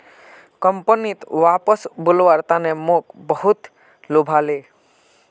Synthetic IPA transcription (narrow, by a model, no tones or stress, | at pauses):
kəmpənit̪ʋaːpəsbʊlʋaɾt̪anemokbəɦut̪ | lobʱale